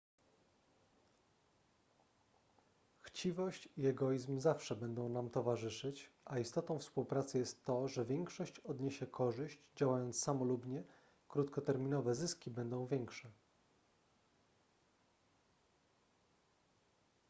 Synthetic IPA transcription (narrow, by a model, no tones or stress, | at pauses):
xt͡ɕivɔɕt͡ɕiɛɡɔjizmzafʂɛbɛnd̪ɔ̃w̃namt̪ɔvaʐɘʂɘt͡ɕʔaist̪ɔt̪ɔ̃w̃fspuwpɾat̪sɘjɛst̪ːɔʐɛvʲjɛŋkʂɔɕt͡ɕɔd̪ɲeɕɛkʰɔʐɘɕd͡ʑd͡ʑawajɔnt̪ssamɔlubɲɛ | kɾut̪kɔt̪ɛɾmʲinɔvɛzɘskʲibɛnd̪ɔ̃w̃vʲjɛŋkʂɛ